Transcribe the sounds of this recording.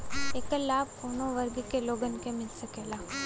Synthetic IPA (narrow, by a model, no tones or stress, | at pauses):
eːkəlaːb̚poːnõʋəɾɡkeloːɡənkemɪlsəkeːlaː